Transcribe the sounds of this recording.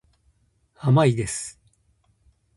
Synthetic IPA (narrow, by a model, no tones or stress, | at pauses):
amaid̪e̞sɨ̥